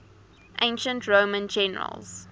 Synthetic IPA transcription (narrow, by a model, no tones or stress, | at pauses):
ʔẽɪ̃nʃə̃ntʰɹoːmə̃nd͡ʒɛnə̰ɹə̰lz̥